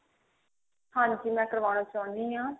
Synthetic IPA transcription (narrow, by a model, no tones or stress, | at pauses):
hãːɲd͡ʒiːmɛ̃ːkəɾʋaːɽ̃ãːt͡ʃãːnd̪iːɦãː